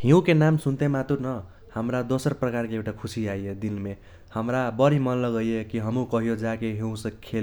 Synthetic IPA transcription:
hiũkenamsunt̪emat̪uɾnʌ | hʌmɾad̪osʌɾprʌkaɾkeːwʈakʰusiaied̪inme | hʌmɾabʌɾimʌnlʌɡʌjekiɦʌmũkʌɦijod͡ʒakeɦĩũsʌ̃kʰel

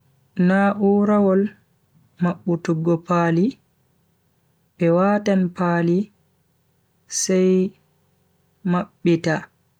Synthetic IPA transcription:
naʔuɾawɔl | maɓːutuɡːɔpaːli | ɓɛwaːtanpaːli | sɛj | maɓːita

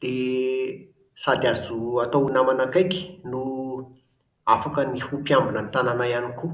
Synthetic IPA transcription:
d̪̥e | sad̪azuat̪ounamanakajki̥nu | afakənihupjambinənit̪ananajaniku

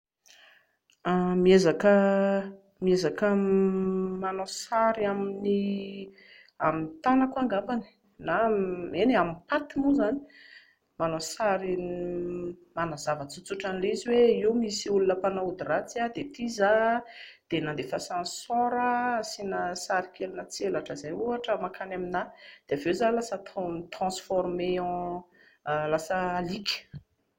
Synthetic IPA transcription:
amiezakə | miezakə | manosaɾiamini | amint̪anakwaŋɡambani̥ | naeneamipat̪imuzani̥ | manosaɾi | manazavət͡sut͡suʈ͡ʂaniliziweiwmisiulunəpanaud̪iɾat͡siad̪et̪iza | d̪̥enãnd̪efasãnsɔ̃ɾəsinəsaɾikʰelunət͡sielaʈ͡ʂəzeuaʈ͡ʂəmakʰanaminad̪̥evewzalasət̪it̪rɑ̃sfɔɾmeɑ̃ | lasəːlikʲə̥

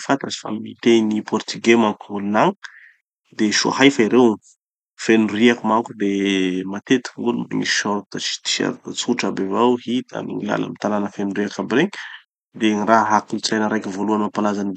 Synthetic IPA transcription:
fant̪azi̥fa̰mit̪enipɔrt̪iɡemaŋkumulunaŋ | d̪eʃua̰hajfaiɾew | fenuriakumakud̪emat̪et̪i̥kŋɡulumḭŋiʃɔɾt̪at͡ʃi̥t̪i̥ʃa̰ɾt̪at͡suʈ͡ʂabevawɦit̪a̰mḭŋila̰la̰mit̪alanəfenuɾiakabireɲ | d̪eŋiraɦakult͡silajnəɾajkivoluanmapalazani

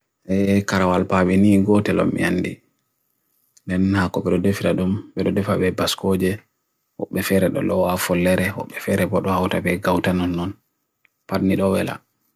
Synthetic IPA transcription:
ʔɛkaɾawalpaɓɛniɡɔtɛlɔ̰mːḭanːdi | ndɛnhakɔɓɛɗɔdefiɾaɗumbɛɗɔdɛfabɛbaskod͡ʒɛ | wɔɓːɛfɛɾɛɗɔ̰ɗɔwafɔlːɛɾɛwɔ̰ɓːɛfɛɾɛbɔɗɔhawtabɛɡawtanɔnːɔn | padniɗɔwɛ̰la̰

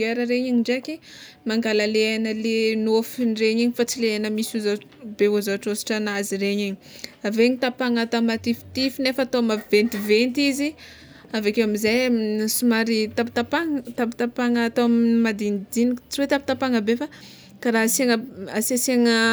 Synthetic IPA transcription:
eɾəɾeɲiɲiɳɖ͡ʐakimaŋɡalaleanəlenofinreɲiɲifat͡sileanəmisuzabeuzaaʈ͡ʂosi̥ʈ͡ʂanazireɲiɲi̥aveɲit̪apaŋat̪amat̪ifi̥t̪ifinefat̪oamavent̪ivent̪izi | avakewamizajamsumaɾit̪api̥t̪apaŋt̪api̥t̪apaŋəːt̪oammad̪inid̪inikt͡siwet̪api̥t̪apaŋəbefa | kaɾaɦaseŋəasaseŋə

